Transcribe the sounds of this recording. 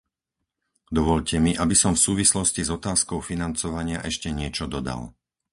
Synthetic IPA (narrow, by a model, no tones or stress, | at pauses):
d̪ɔʋɔʎcɛmiʔabisɔmfsuːʋislɔscizɔt̪aːskɔʊfinant͡sɔʋaɲɪaʔɛʃcɛɲɪɛt͡ʃɔd̪ɔd̪a̰l